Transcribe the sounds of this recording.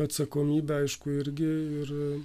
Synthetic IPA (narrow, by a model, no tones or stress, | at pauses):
ɐt̪sɐkoːmʲiːbʲɛɐɪʃkʊɪɾʲɡʲɪɪr